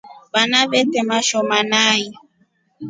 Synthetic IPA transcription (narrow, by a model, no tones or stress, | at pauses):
banavɛtɛmaʃɔmanaji